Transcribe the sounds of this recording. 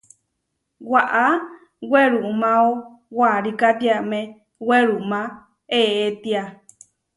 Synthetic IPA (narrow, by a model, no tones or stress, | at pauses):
waʔa | weɾumão | waɾikat̪iame | weɾumã | eet̪ia